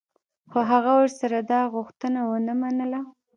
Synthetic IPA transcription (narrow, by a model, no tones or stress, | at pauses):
xoɦaɣawəɾsaɾad̪ɑɣʊxt̪ənawənəmanəla